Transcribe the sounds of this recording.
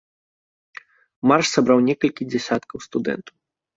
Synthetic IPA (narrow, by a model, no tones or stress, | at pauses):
marʂsabɾawnʲɛkɐlʲkʲid͡zʲɛsʲat̪kɐwst̪ud̪ɛ̰nt̪ɐw